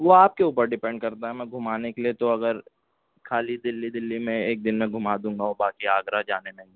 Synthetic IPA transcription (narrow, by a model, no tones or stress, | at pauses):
ʋoaːp̚keuːpəɾɖɪpɛ̃ɳɖ̚kɐɾt̪aɦɛmɛ̃ɡʱʊmaːnekeliet̪oɐɡəɾ | kʰaːlid̪ɪlːid̪ɪlːimẽeːk̚d̪ɪnmẽɡʱʊmaːd̪ũːŋɡaobaːkiaːɡɾad͡ʒaːnelɐ̃ɦɪ̃ŋɡe